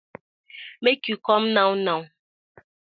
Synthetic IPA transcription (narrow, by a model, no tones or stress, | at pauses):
mekikɔmnãwnãw